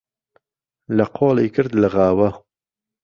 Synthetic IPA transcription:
lɐqʰoːliːkʰɨɾd̪laɣaːwɐ

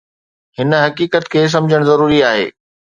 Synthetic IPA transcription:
hɪn̆ɦɐkiːkət̪kʰeːs̬ɐ̃md͡ʑʱəɽ̃zɐɾuːɾiaːɦḛː

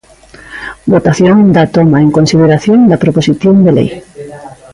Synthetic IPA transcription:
bot̪aθjoŋd̪at̪omaeŋkonsið̞eɾaθjõnd̪ɐpɾoposiθjõnd̪elḛj

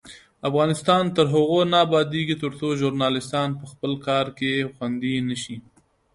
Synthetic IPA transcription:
afɣɑnɪst̪ɑnt̪əɾɦʊɣonɑbɑd̪eɡit̪əɾt͡soʒʊɾnɑlɪst̪ɑnpəxpəlkɑɾkexwand̪inəʃi

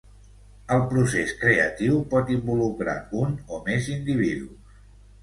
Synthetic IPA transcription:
əlˠpɾuseskɾeə̰t̪iwpɔt̪imbulukɾa̰unomezind̪iβ̞iðus

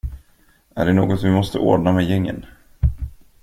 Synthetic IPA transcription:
ʔæɖɛnoːɡɔt̪vɪmɔst̪ə̰ʔo̰ːɖɳamɛjɛŋːə̰n

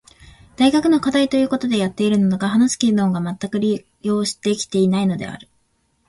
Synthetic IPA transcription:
d̪̥aiɡakɯ̟no̞kad̪ait̪o̞jɯ̟ːko̞t̪o̞d̪e̞jat̪ːe̞iɾɯ̟nanoɡaɦanasɨ̥kʲid̪õ̞ŋɡamat̪ːakɯ̟ɾʲi | jo̞ːɕi̥t̪e̞kʲi̥t̪e̞inaino̞d̪e̞̰a̰ɾɯ̟

